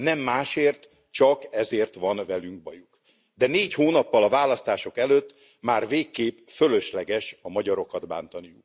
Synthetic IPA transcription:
nɛmːaːʃeːrt̪ | t͡ʃɒkɛzeːrt̪ʋɒnvɛlyŋkbɒjuk | d̪ɛneːchoːnɒpːɒlɒvaːlɒst̪aːʃo̞kɛløt̪ː | maːrveːkːeːpfølø̞ʃlɛɡɛʃɒmɒɟɒɾo̞kɒd̪ba̰ːnt̪ɒnijuk

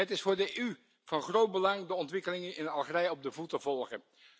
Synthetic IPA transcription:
ətɪsfʊːɹdəy | v̥ɑnχrowd̚bəlɑŋdəɔntʋɪkəlɪŋənɪnɑlˠχərɛjɔb̚dəvutəvɔlˠχən

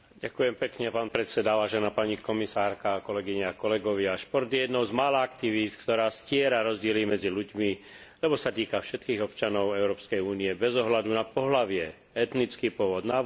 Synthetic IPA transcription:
ɟakujɛmpɛkɲɛpaːnpɾɛt̪t͡sɛd̪aʋaːʒɛnaːpaɲikɔmisaːɾkakɔlɛɡiɲakɔlɛɡɔʋɪaʃpɔɾd̪jɛd̪nɔʊzmaːlaakt̪iʋit̪kt̪ɔɾaːscɪɛɾaɾɔzɟɪɛlimɛd͡ziluɟmi | lɛbɔsat̪iːkafʃɛt̪kiːɣɔpt͡ʃanɔʊɛʊɾɔːpskɛjuːniɛbɛzɔɦlad̪unapɔɦlaʋɪɛ | ɛt̪nit͡skiːpʊɔʋɔd̪na

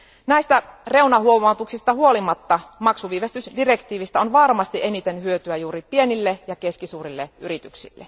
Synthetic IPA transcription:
næist̪æreunɑhuomɑt̪uksist̪ɑhuolimɑt̪ːɑmɑksuʋiːʋest̪ysdirekt̪iːʋist̪æonʋɑrmɑst̪iʔenit̪enhyøt̪yæjuːripienilːejɑkeskisuːrilːeʔyrit̪yksḭlːḛ

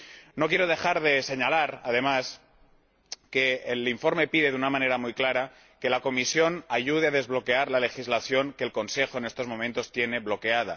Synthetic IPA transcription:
no̞kjeɾo̞ð̞e̞xaɾðe̞se̞ɲalaɾaðe̞mas | ke̞ːliɱfo̞ɾme̞piðe̞ðunamãne̞ɾamujklaɾa | ke̞lako̞misjonaʝuð̞eað̞e̞zβlo̞ke̞aɾlale̞xizlaθjo̞ŋke̞lko̞nse̞xo̞ene̞st̪o̞zmõ̞mẽnt̪o̞st̪je̞ne̞βlo̞ke̞að̞a

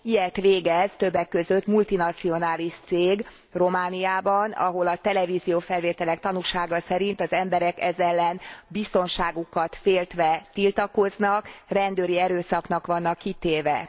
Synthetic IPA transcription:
ijɛt̪ʋeːɡɛzt̪ø̞bːɛkːø̞zøt̪mult̪inɒt̪sio̞naːliʃt̪seːɡ | ro̞maːnijaːbɒnɒ̰ɦo̞lɒt̪ɛlɛvizijoːfɛlʋeːt̪ɛlɛkt̪ɒnuʃaːɡɒsɛɾint̪ɒzɛmbɛɾɛkɛ̰zɛlːɛnbist̪o̞nʃaːɡukɒt̪feːlt̪ʋɛt̪ilt̪ɒko̞znɒkrɛnd̪øːɾiɛɾøːsɒknɒkʋɒnːɒkːit̪eːvɛ

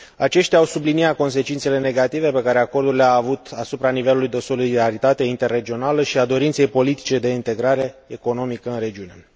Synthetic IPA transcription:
at͡ʃe̞ʃt̪jaːwsubliniat̪̚ko̞ns̬e̞t͡ʃint̪se̞le̞ne̞ɡat̪ive̞pe̞kaɾe̞ako̞rd̪urileaːvut̪asupɾanive̞lulujd̪e̞so̞lid̪aɾit̪at̪e̞int̪e̞rːe̞d͡ʒio̞naləʃiad̪o̞ɾint̪se̞jpo̞lit̪i̥t͡ʃe̞d̪e̞int̪e̞ɡɾaɾe̞eko̞no̞mikəɨnɾe̞d͡ʒiune̞̰

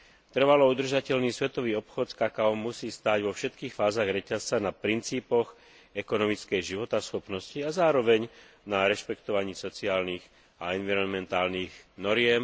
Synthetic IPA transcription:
t̪r̩ʋalɔud̪r̩ʒacɛʎniːsʋɛt̪ɔʋiːɔpxɔt̪skakaɔmːusiːst̪aːɟʋɔfʃɛt̪kiːxfaːzaɣɾɛcast͡sanapɾint͡siːpɔɣ | ɛkɔnɔmit͡skɛjʒiʋɔt̪asxɔpnɔsciazaːɾɔʋɛɲ | naɾɛʃpɛkt̪ɔʋaɲiːsɔt͡siaːlniːɣ | aɛnʋiɾɔnmɛnt̪aːlniːɣnɔɾɪɛm

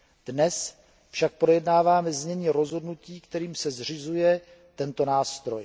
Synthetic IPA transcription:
d̥nɛs | fʃak̚pɾo̞jɛdnaːvaːmɛzmɲɛɲiːɾo̞zɦo̞dnuciːkt̪ɛɾiːmsɛzr̝ɪzujɛ | t̪ɛnt̪o̞naːst̪ɾo̞j

